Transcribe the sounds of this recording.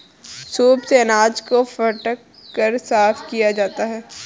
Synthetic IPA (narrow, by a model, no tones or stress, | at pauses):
suːbseɐnaːd͡ʒkofɐʈəkːəɾsaːfkijad͡ʒaːt̪aɦɛː